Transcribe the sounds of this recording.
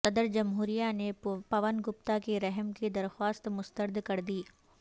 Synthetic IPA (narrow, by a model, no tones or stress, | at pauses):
t̪ɐd̪əɾd͡ʒɐmɦuːɾijanepɐʋənɡʊp̚t̪akeɾɛɦmked̪ɐɾxwaːst̪mʊst̪əɾd̪ʱkɐɾd̪iː